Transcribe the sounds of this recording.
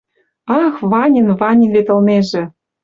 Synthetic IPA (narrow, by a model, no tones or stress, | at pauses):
ɑxβɑnʲənvɑnʲinvet̪ə̆lmeʒĕ